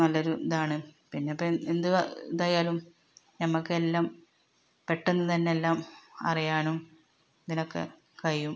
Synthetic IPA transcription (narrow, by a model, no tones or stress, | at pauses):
nɐlːɐoɾund̪aːɳɨpinːeɐpːend̪ud̪aːjaːlum | nɐmːɐkːɨelːaːm | pe̞ʈːenːɐt̪ɐnːeelːaːmɐ̰rijaːnum | d̪inokːḛ | kɐɻijum